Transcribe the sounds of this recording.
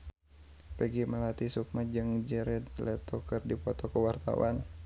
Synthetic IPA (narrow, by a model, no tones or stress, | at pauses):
pɛɡiməlat̪isuk̚mad͡ʒɨŋd͡ʒəɾɛd̪lɛt̪ɔkɨrdipɔt̪ɔkəwart̪a̰wa̰n